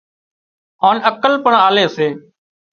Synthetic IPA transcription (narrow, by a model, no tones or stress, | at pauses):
aːnəkəlpəɳaːleːseː